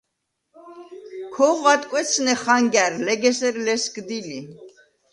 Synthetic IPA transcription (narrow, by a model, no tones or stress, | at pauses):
kʰɔʁat̪ʼkʼwɛt͡sʰnɛχaŋɡæɾlɛɡɛsɛɾlɛskd̪ili